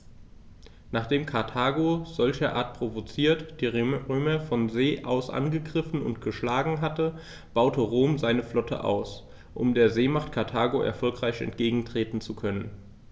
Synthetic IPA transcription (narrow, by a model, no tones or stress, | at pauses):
naːχd̥eːmkʰaɐtʰaːɡoz̥ɔlçɐʔaːɐt̚pʁ̥ovot͡siːɐtd̥iːʁʁøːmɐfɔnzeːʔa̰ʊsʔa̰nɡəɡʁɪfn̩ʊ̰ntɡ̥əʃlaːɡŋ̩ɦatə | b̥aʊtəʁoːmzaɪnəflɔtʰə̰ʔa̰ʊs | ʔʊmdeːɐzeːmaχtkʰaɐtʰaːɡoʔɛ̰ɐfɔlkʁ̥aɪçɛ̰ntɡ̥eːɡŋ̩tʁ̥eːtn̩t͡sukʰœnən